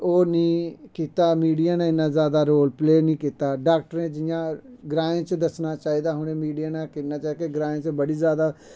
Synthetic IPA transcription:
oːnĩːkiːt̪aːmiːɖijaːnẽːɪnːãːzjaːd̪aːɾoːlpleːnĩːkiːt̪aːɖaːk̚ʈəɾẽːd͡ʒɪjãːɡɾaːẽːt͡ʃd̪əsnaːt͡ʃaːiːd̪aːɦʊneːmiːɖijaːnãːkɪnãːt͡ʃaːkeɡɾãːẽːt͡ʃbəɽiːzjaːd̪aː

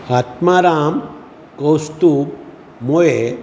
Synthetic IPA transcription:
at̪maɾam | kəwst̪u | moje

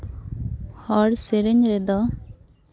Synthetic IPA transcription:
hɔɽsɛɾɛɲɾɛd̪ɔ

